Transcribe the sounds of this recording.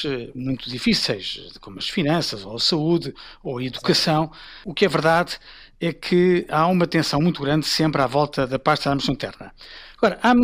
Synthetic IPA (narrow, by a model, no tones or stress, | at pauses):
ɛmũj̃t̪uðifisejʃkomuɐʃfinɐ̃sɐzoɐsɐuðɨoɐiðukɐsɐ̃w̃ukɛvɨɾðað | ɛkʰɨaumɐt̪ẽsɐ̃w̃mũj̃t̪uɣɾɐ̃nd̪sẽmpɾavɔlˠt̪ɐðɐpaʃt̪aðaɐmusɐ̃t̪ɛ̰ɾnɐɐɣɔɾɐʔam